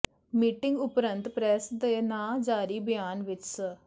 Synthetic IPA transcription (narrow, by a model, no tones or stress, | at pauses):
miːʈɪŋɡʊpɾənt̪pɾɛːsd̪eːnãːd͡ʒaːɾiːbɪjaːnʋɪt͡ʃsə